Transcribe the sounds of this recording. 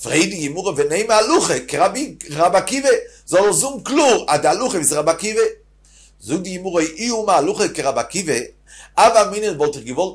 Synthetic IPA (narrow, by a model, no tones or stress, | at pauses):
fʁeɪdɪɡɪmuʁəvɛneɪmaluχekɪɾabiʁabakive | zɔlˠzumkluʁadɪaluχəviːsɾabakive | zuɡ̚dɪɡɪmuʁəʔiumaːluχəkɪʁabakive | avaminjənvɔlˠtɪχɡɪvɔlˠt